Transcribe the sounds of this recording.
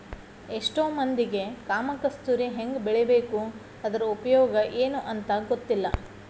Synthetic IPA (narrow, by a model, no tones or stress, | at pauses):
eʂʈoːmɐnd̪iɡe̞kaːmɐkɐst̪uɾiɦe̞ŋɡbɛɭebe̞ːku | ɐd̪ɐɾɐupɐjɔːɡɐʔeːnuʔɐnt̪ɐɡot̪ːilːɐ